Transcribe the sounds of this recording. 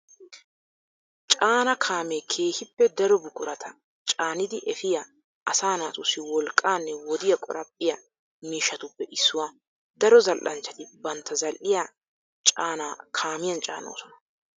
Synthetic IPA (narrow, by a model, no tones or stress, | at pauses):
t͡ʃʼaːnɐkʰaːmekʰe̞ːhɪpːɛd̪ɐɾɔbʊkʼʊɾɐt̪ʰɐ | t͡ʃʼaːnɪd̪ɪʔɛfɪjɐ | ʔɐsaːnaːsʼʊsɪwɔlkʼaːnːɛwɔd̪ɪjɐkʼɔ̰ɾɐpʼːɪjɐ | miːʃːɐt̪ʊpːɛʔɪsːʊwaː | d̪ɐɾɔzɐlʔɐnt͡ʃːɐt̪ɪbɐnt̪ːɐzɐlʔɪja | t͡ʃʼaːnaːkʰaːmɪjɐnt͡ʃʼa̰ːno̰ːsɔnɐ̥